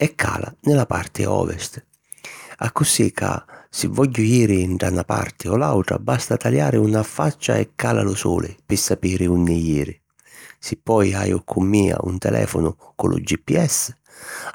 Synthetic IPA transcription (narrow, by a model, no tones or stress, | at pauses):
ɛkʰːaːlanɪlapart̪ɪɔ̰ːvɛst̪ | akːʊsikʰa̰sɪvːɔʎːʊjiːɾɪːɳʈɽanapa̰rt̪ɪɔlawʈ̪ɾa̰bast̪at̪aljaːɾɪunafat͡ʃːaɛkʰːaːlalʊsɔːlʔɪpɪsːapiːɾɪunːɪjiːɾɪ | sɪpːɔjajʊkʰːʊmːiːa̰ʔunt̪ɛlʔɛ̰ːfʊnʊkʊlʔʊ̰d͡ʒːipːiɛs